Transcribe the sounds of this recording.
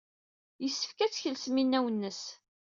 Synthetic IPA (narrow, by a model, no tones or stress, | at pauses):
jəsːə̥fkæt͡sːçəlsminːæwənːəs